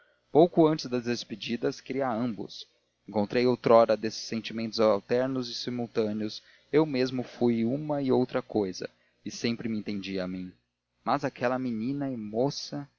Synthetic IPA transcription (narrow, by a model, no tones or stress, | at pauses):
powkʊɐ̃nt͡ʃɪzd̪ɐzd̪esped͡ʒid̪ɐskɾiaɐ̃mbʊ̰s | ẽŋkõnt̪ɾejowt̪ɾɔɾɐd̪esɪ̥sːẽnt͡ʃimẽnt̪ʊzawt̪ɛɾnʊzɪsimuwt̪ɐ̃nɪʊs | ewmezmʊfujũmɐɪowt̪ɾɐkojzɐ̰ | ɪsẽmpɾɪmɪẽnt̪ẽnd͡ʒiamĩ | mɐzakʰɛlɐminĩnɐɪmosɐ